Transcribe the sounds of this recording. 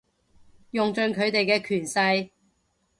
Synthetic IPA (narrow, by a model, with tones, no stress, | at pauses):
jʊ˨ŋt͡ʃɵ˨˧nkʰɵ˨˧ɥt̪e˨jkɛː˧kʰyː˨˩nsɐ˧j